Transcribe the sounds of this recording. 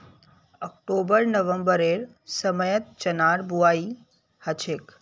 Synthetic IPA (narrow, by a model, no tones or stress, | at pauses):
ək̚ʈobəɾnəʋəmbəɾeɾ | səməjət̪̚t͡ʃənaɾbuai | hət͡ʃʰek